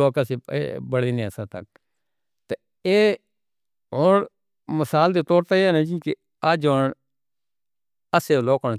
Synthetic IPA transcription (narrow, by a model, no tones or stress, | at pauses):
oːkəseːḛbəɽiːnĩːəsãːt̪ə̰k̚ | t̪e | eː | ɦoːɽ | məsaːld̪eːt̪oːɾt̪aːɛːnãːd͡ʒĩːke | aːd͡ʒoːɳ | əseːloːko